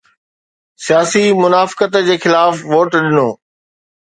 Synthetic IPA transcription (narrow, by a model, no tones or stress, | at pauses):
sijaːsimʊnaːfɪ̥kət̪d͡ʑeːxɪlaːfʋoːʈɗɪnoː